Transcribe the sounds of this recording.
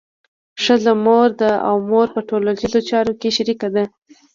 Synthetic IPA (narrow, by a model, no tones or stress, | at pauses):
ʂəlamoɾd̪aa̰wmoɾpəʈolaʃizot͡ʃɑɾokeʃaɾikad̪a